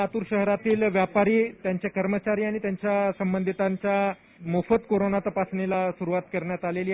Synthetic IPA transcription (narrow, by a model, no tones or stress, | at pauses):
at̪uːɾɕəɦɾat̪iːlʋjapaɾiːt̪jaɲt͡ɕjakəɾmət͡ɕaɾiːaɽ̃it̪jaɲt͡ɕjasəmbənd̪ʱit̪aɲt͡ɕja | mofət̪koɾonat̪əpasɳelasuɾuʋat̪kəɾɳjat̪aleli